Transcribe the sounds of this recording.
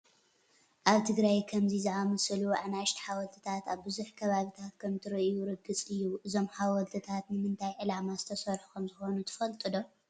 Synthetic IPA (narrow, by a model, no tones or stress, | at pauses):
ʔaβt̪ʰɨɡɾajkʰɐmzizɨʕamɐsɨluaʕnaʃt̪ʰi̥ħawɐlt̪ʰɨt̪ʰat̪aβbɨzuħkʰɐβaβit̪ʰat̪kʰɐmt̪ʰɨɾɨʔjuɾɨɡɨt͡sʼɨjːuʔɨzo̞mħawɐlt̪ʰɨt̪ʰat̪nɨmɨnt̪ʰajʕɨlamazɨt̪ʰɐsɐɾħu̥kʰɐmzɨxo̞nut̪ʰɨ̥fɐlt̪ʼɨd̪o̞